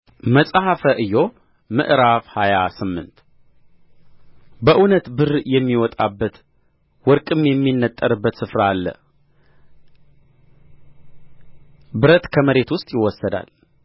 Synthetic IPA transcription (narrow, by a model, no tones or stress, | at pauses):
məsʼahafəʔɨjːo̞ | mɨ̰ʔɾaβhajasɨmːɨ̰nt̪ | bəʔunət̪bɨrjɛmːiwɔt̪ʼa̰bːət̪ | wɔɾkʼɨmjɛmːinːət̪ʼːəɾɨbːət̪sɨfɾaːlːə̰ | bɨɾət̪kʰəməɾe̞t̪wʊst̪ʼjɪwɔsːəd̪a̰l